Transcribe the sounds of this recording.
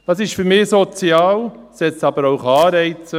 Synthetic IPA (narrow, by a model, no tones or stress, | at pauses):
d̥ɑsɪʃfyɾmɪsot͡siɑːlsɛt͡sɑb̥əɾoʊχɑːɾɛɪt͡sə